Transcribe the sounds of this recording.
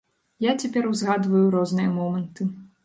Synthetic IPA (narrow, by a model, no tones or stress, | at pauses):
jat͡sʲapʲɛɾwzɣad̪vɐjuɾɔznɨjɐmɔmɐnt̪ɨ